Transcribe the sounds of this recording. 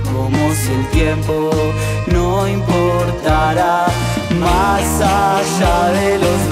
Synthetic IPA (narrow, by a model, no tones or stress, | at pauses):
komoselt̪jempo | nõimpoɾt̪aɾa | masaʃaðeloz